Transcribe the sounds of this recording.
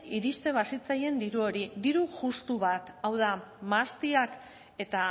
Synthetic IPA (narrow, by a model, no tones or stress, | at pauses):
iɾist̪e̞β̞asit͡saje̞nd̪iɾuo̞ɾid̪iɾuʝust̪uβat̪awð̞amast̪iak | e̞t̪a